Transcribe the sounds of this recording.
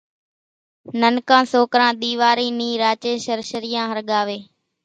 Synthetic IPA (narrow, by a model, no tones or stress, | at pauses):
nənkãːsoːkɾãːɗ̪iːʋaːɾiːnĩːɾaːt͡ʃeːʃəɾʃəɾɪjãːɦəɾɠaːʋeː